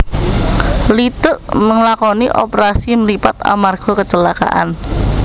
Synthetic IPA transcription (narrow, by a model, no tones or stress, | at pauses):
lit̪ʊʔməŋlakɔniʔɔ̰pəɾasiməɾipat̪̚a̰marɡ̥ɔ̤kət͡ʃəlaka̰ʔa̰n